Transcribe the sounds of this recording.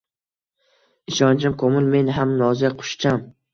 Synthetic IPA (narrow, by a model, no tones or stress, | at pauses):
ɪʃɒnt͡ʃʰɪmkʰomɪlme̞nɦamnɒzjaqʰʊ̥ʃt͡ʃʰam